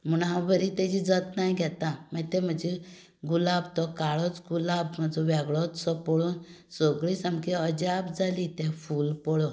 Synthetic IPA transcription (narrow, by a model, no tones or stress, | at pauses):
m̤uɽɦãbəɾit̪ɛd͡ʑid͡zət̪najɡʱɛt̪amat̪ɛ̃m̤əd͡ʑe | ɡulabt̪ɔkaɭɔt͡sɡulabm̤əd͡zɔʋɛɡɭɔt͡ssɔpɔɭuːnsoɡɭisamkiəd͡ʑabd͡zalit̪ɛ̃fuːlpɔɭɔ